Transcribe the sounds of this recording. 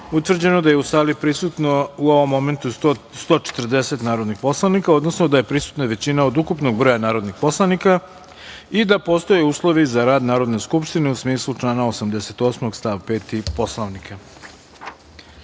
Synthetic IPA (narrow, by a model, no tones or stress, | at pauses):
ut̪ʋr̩d͡ʑe̞no̞d̪ajeusaːlipɾisut̪nouo̞ʋo̞mːo̞me̞nt̪u | st̪o̞ːt͡ʃe̥t̪r̩d̪e̞se̞t̪naːɾod̪nixpo̞slˠaʋnikao̞d̪nosnod̪aje̞pɾisu̥t̪naʋe̞t͡ɕinaod̪ukupno̞ɡ̚bɾo̞janaːɾo̞d̪nixpo̞slˠanika | id̪apo̞st̪o̞jeuːslˠo̞ʋizaɾaːd̪naːɾo̞d̪ne̞skupʃt̪ine̞usmiːslˠut͡ʂlˠaːnaosamd̪ese̞t̪o̞ːsmoɡst̪aʋpe̞ːt̪ipo̞slˠaʋnikʰa